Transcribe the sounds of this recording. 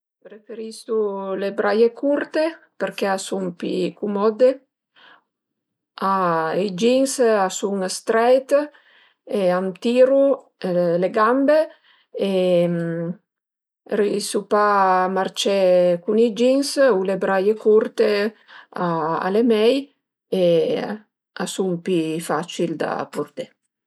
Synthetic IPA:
ɾefeɾist̪ulebɾajekʰuɾt̪epeɾkeasumpḭkumɔd̪e | aid͡ʒiŋsasuŋst̪ɾɛjt̪ | eamt̪iːɾu | leɡambe | em | ɾisupamaɾt͡ʃɛkunid͡ʒiŋsulebɾajekuɾt̪e | aa̰lemɛj | e | asumpifat͡ʃild̪a̰puɾd̪e

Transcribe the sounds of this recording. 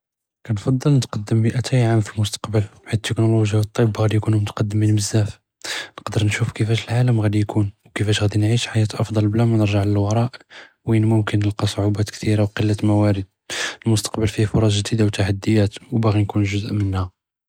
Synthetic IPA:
kænfɑd̪ˤːəlnət̪qɑd̪ːəmːiʔæt̪ʰæjʕamfilmʊst̪ɑ̥qbəlħid̪̚t̪ːəknoloʒjawət̪ˤːibɣæd̪ijkunmʊt̪qɑd̪ːəmːənməzːæf | nəqd̪əɾnʃufkəfæʃəlʕaləmɣæd̪ijkʰunwkəfæʃɣæd̪inʕiʃħajæt̪ʔɑfd̪ˤɑlblæmænəɾʒəʕləlwɑɾˤɑʔ | winmʊmkənːəlqɑsˤoʕubæt̪kt̪iɾawqəlːæt̪mæwæɾəd̪̥̚əlmʊst̪ɑ̥qbəlfihfoɾˤɑsʒd̪id̪awt̪aħad̪ːəjæt̪wbæɣinkunʒʊzəʔmənhæ

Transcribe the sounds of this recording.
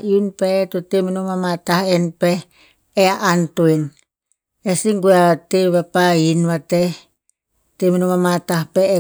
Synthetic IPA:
iunpetoteminomamatahenpeː | aʔantoen | esiŋɡuaβateβapainβate | teminomamatahpeː

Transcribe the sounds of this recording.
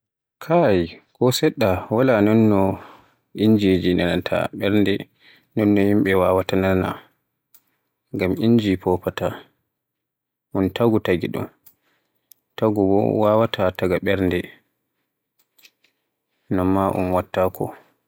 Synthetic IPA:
kʰajkɔsɛɗːawalanɔnːɔ | ʔind͡ʒed͡ʒinanantʰa̰ɓɛɾndɛ | nɔnːɔhimɓɛwawatanana̰ | ŋɡamiɲd͡ʒipɔpata | ʔuntaɡutaɡḭɗṵn | taɡubɔ̰wawatʰataɡaɓɛɾndɛ | namːaʔṵmwatːakʰɔ̰

